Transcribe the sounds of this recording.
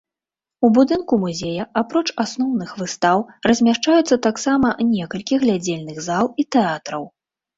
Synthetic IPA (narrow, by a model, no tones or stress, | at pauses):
ubud̪ɨnkumuzʲejɐapɾɔt͡ʂasnɔwnɨxvɨst̪awrɐzʲmʲaʂt͡ʂajut̪sːɐt̪aksamɐnʲɛkɐlʲkʲiɣlʲad͡zʲelʲnɨɣzalˠit̪ɛat̪ɾɐw